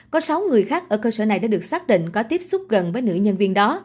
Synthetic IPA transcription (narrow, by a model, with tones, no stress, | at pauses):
kɔ˨˦sa˨˦wŋɨ˨˩əjxaː˦˥k̚ʔəː˧˩kəː˧səː˧˩na˨˩jɗaː˧˥ɗɨ˨˩ək̚saː˦˥k̚ɗḭ̈˧˨ŋ̟kɔ˨˦t̪i˦˥əp̚sʊ˦˥k͡p̚ɣə˨˩nvəː˨˦jnɨ̰˧˥ɲə˧nvi˧ənɗɔ˨˦